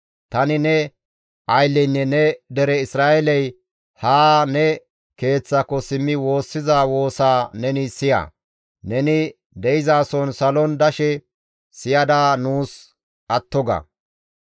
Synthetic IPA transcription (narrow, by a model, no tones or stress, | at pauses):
t̪ɐnɪnɛ | ʔɐjlːɛnːɛnɛd̪ɛɾɛɪsɾaːʔɛlɛj | haːnɛ | ke̞ːt͡sːakːɔsɪmːɪwo̞ːsːɪzawo̞ːsaːnɛnɪsɪja̰ | nɛnɪ | d̪ɛjɪzaːsɔnsɐlɔnd̪ɐʃɛ | sɪjɐd̪aːnuːs | ʔɐt̪ːɔɡɐ̰